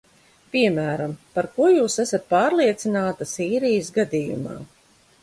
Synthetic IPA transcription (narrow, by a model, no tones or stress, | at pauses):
piɛmæːɾampaɾkuɔjuːsæsat̪̚paːɾlˠiɛt̪sinaːt̪asiːɾijsɡad̪ijṵma̰ː